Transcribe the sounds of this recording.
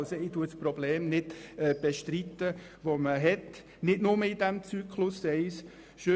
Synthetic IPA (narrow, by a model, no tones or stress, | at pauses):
soɪtuːəsprɔbleːmnɪd̥ɛb̥eʃtɾit̪ːə | ʋoməɦɛt | nɪdnʊməɪdæmt͡sykʰlʊsːɛɪs | ʃø